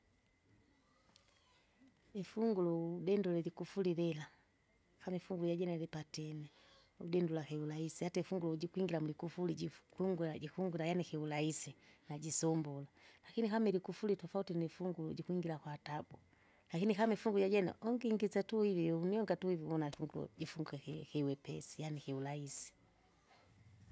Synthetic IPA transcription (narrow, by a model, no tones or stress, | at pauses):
ifuŋɡulɔudɛndulɛlikufulilɛla | kamɛfuŋɡuluɟaɟɛnalipatɛnɛ | ṵdɛndulakɛulaisihataɛfuŋɡuluɟikwiŋɡilamulikufuliɟikuŋɡulaɟikuŋɡulajanikɛulaisinaɟisɔmbɔlalakinikamɛlikufulitɔfautinifuŋɡuluɟikuiŋɡilakwatabu | lakinikamifuŋɡuɟaɟɛnɛ̰ʔɔŋɡiŋɡisatuhiviuniɔŋɡatuhivimɔnaifuŋɡulṵɟifuŋɡuɛhhiwɛpɛ̰si̥janikɛulaisi̥